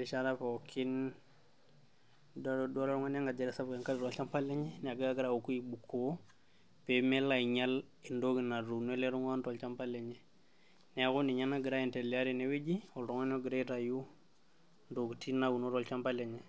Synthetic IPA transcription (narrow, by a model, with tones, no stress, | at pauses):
li˨t͡ʃa˦ɾa˦po˨kʰi˦n | ddɔ˦lɾɔ˦ŋa˦na˦ŋɡa˨d͡ʒe˨ɾɛ˨sa˦bke˨ŋka˦li˨ɾɔ˨lt͡ʃa˦mpa˦le˦ɲɛ˦n˨a˨ɡa˦a˦ɡi˦ɾa˨u˨ku˦i˨bukʰːo˨˦ | pemɛ˦la˨iɲa˦l | i˨ndo˦ɡi˨na˨ɾu˨ne˦le˦ɾu˦ŋa˦ntɔ˨lt͡ʃa˦mpa˦leɲɛ˨ | nɛ˨˦ku˦ni˨ɲa˦na˦ɡɪ˨ɾa˦i˨ntɛ˨lia˦ɾi˨newe˦d͡ʒiɔ˨lɾɔ˦ŋa˦nɔ˦ɡɪ˨ɾa˦iɾa˨ju˦ | ndo˨ɡti˦naɡu˨no˦ɾɔ˨lt͡ʃa˦mpa˦le˨ɲɛ˨